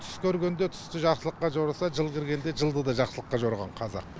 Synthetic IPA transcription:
t̪ʰʏ̥skʲʰɵɾɡʲe̞nd̪et̪ʰʏ̥st̪ɪʒɑχsəlˠəqːɑʒoɾɑsɑʒəlˠkʲɪɾɡʲe̞nd̪e̞ʒəlˠd̪əd̪ɑʒɑqsəlˠəqːɑʒoɾʁɑɴqʰɑzɑ̰

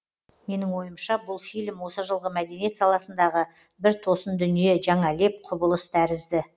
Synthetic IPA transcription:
me̞nɪŋwo̞jəmʃɑbʊlˠfijlʲmwo̞səʒəlˠʁəmæd̪e̞nije̞t̪sɑlˠɑsənd̪ɑʁə | bɪɾt̪ʰo̞sənd̪ʏnije̞ʒɑɴɑle̞p̚qʰʊbəlˠəst̪ʰæɾɪzd̪ɪ

